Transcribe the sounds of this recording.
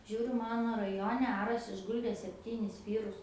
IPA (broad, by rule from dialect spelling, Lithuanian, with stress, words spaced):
ˈʒʲuːrʲʊ ˈmɑːnoː rɐˈjoːnʲɛ ˈɑːrɐs ɪʒˈɡʊlʲdʲeː sʲɛpʲˈtʲiːnʲɪs ˈʋʲiːrʊs